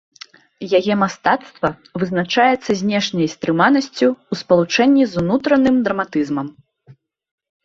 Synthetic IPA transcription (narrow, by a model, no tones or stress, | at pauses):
jaɣɛmast̪at̪st̪vɐ | vɨznat͡ʂajɛt̪sːɐzʲnʲɛʂnʲɐjst̪ɾɨmanɐsʲt͡sʲuːspɐlˠut͡ʂɛnʲːizunut̪ɾɐnɨmd̪ɾɐmat̪ɨzmɐm